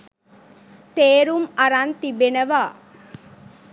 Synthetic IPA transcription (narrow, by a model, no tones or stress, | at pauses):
t̪eːɾumɐɾant̪ibenɐʋaː